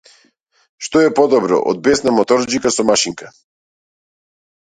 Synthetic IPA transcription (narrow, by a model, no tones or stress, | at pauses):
ʃt̪ɔɛpɔd̪ɔbɾɔ̰ʔɔ̰d̪̚bɛsnamɔt̪ɔɾd͡ʒikasɔmaʃiŋka